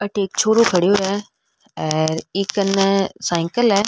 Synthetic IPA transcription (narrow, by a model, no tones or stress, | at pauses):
ɐʈʰeːk̚t͡ɕʰoːɾokʰɐɽ̤ijoɛ | ɛ̃ːɾɪkənsaːɪ̃ŋkəlaː